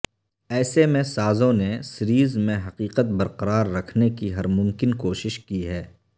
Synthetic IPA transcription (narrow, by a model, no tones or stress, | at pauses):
ɛːsemẽsaːzõnesɪɾiːzmẽɦɐqiːqət̪̚bɐɾqɐɾaːɾːɐkʰnekiɦɐɾmʊmkɪnkoːʃɪʃkiɦɛː